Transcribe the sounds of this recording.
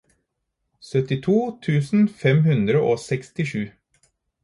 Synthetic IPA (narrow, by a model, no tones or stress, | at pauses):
sœt̪ɪt̪ʰuːt̪ʰʉːsn̩fɛmhʉnd̪ɾəʔoːsɛkst̪ɪʂʉː